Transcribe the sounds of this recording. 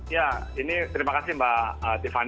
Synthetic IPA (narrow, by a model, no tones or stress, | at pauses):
jainit̪əɾimakasimbaət̪ifan